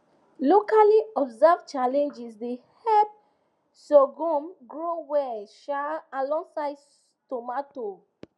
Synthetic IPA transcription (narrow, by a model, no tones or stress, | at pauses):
lokaliɔbzɛvt͡ʃalɛ̃nd͡ʒisdehɛp̚ | soɡũmɡɹowɛʃaãlɔ̃ŋsaɪd | tomato